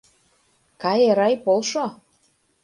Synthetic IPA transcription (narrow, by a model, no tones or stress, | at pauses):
kɑjeɾɑjpolʃo